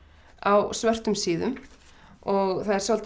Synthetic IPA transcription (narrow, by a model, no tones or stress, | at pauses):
awsvœr̥t̪ʏmsiːðʏ̰m | ɔɣθaðɛɾsɔlt̪